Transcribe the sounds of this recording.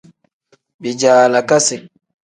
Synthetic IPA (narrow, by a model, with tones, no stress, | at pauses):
bi˨d͡ʒaːla˨ka˦sɪ˨